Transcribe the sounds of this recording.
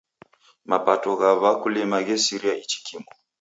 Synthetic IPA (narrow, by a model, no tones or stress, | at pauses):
mapatɔɣaβakulimaɣɛsiɾiait͡ʃi̥kʰimɔ